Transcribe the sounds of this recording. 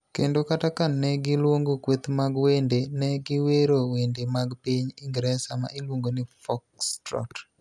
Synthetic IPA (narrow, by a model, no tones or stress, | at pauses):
kendokatakanːɛɡɪlwoŋɡokwet̪maɡwendenɛɡɪweɾowendemaɡpiɲiŋɡɾɛsama̰ʔilwoŋɡonɪfɔkstɾɔ̰t